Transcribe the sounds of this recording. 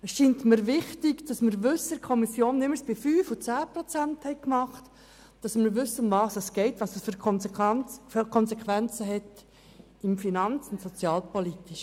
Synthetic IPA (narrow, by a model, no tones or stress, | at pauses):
əsʃiːntmɪɾvɪχtɪɡd̥ɑsməɾʋʏsəkʰɔmisjoːnːɪməɾsb̥ɪfyːfʊt͡sæːpɾɔt͡sænthɛɪkmɑχt | d̥ɑsmɪɾʋʏsːəʊmvɑːsɛsɡ̥ɛɪtvɑːsəsfɾ | kʰɔnsekʰʋɛnt͡səɦɛt | ɪmfinɑnt͡sʊntsɔt͡sjɑːlpɔlitiʃ